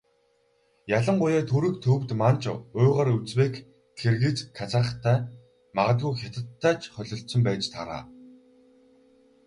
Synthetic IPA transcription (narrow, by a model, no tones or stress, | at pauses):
jaɮə̆ɴɢʊjæːt̪ʰuɾɘ̆kt̪ʰɵwt̪mant͡ɕʊːʁaːɾut͡sweːk | xerɣɘ̆t͡ɕkʰːat͡săːə̆χt̪ʰːæː | maʁə̆ɮɣujxʲat̪ə̆t̪ʰːæːt͡ɕχœɮʲɞ̆ɬsɪ̆mpæːt͡ɕt̪ʰaɾa̰ː